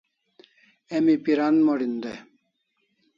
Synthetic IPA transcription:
emipiɾanmoɽind̪e

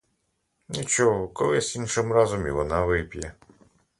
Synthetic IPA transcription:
nʲit͡ʃɔɦɔkɔlˠɪsʲinʃɪmɾɑzɔmḭʋɔnɑʋɪpʲjɛ

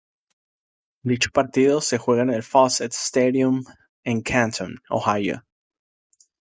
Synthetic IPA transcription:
d̪it͡ʃo̥paɾt̪iðosexweɣanelfɔset̪st̪eðjũm | ẽŋkʰãnt̪ʰõno̰hajo̰

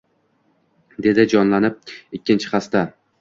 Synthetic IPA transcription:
d̪e̞d̪ɪd͡ʒɒnlanɪp̚ɪkʲːɪnt͡ʃʰɪ̥χast̪a

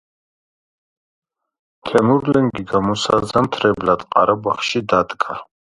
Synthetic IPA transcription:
t̪ʰɛmuɾlɛŋɡiɡamɔsa̰zamt̪ʰɾɛblat̪ʼqʼaɾabaχʃid̪ad̪ɡʼa

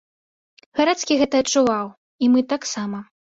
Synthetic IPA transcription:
ɣaɾat̪skʲiɣɛt̪ɐːtt͡ʂːuvaw | imɨt̪aksamɐ

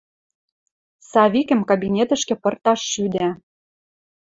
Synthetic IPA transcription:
sɑβikə̆mkabinʲet̪ə̆ʃkĕpɤ̆rt̪ɑʃːyd̪æ

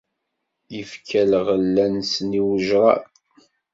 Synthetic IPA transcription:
jəfkʰælʁəlːænsniwʒɾˤɑ̰

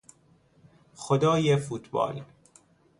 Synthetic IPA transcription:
xod̪ɒːjefuːt̪ʰbɒ̰ːl

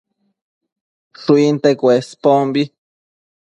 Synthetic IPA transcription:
ʂuint̪ekʷespombi

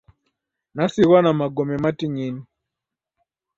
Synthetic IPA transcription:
nasiɣanamaɡɔmɛmatiɲini

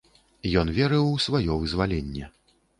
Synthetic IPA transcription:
jɔnvʲɛɾɨwsvajɔvɨzvalʲɛnʲːɛ

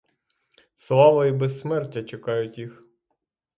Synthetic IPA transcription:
slˠɑʋɐibesmɛrtʲːɐt͡ʃekɑjʊtʲjix

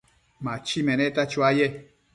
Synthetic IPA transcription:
mat͡ʃimɛnɛtat͡ʃuajɛ

